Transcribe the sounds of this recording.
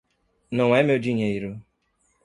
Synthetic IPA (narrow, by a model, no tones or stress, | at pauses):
noŋʷemeod͡ʒiɲeiɾu